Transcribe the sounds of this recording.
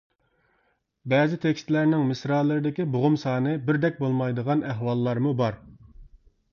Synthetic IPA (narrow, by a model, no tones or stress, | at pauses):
bɛːzɪt̪ʰekʲst̪læɾnɪŋmɪsɾɑːlˠɨɾɨd̪ɪkʲiboʁʊmsɑːnɨbɪɾd̪ɛk̚ʲbolˠmɑjd̪əʁɑnæɦwɑlˠːɑɾmubɑɾ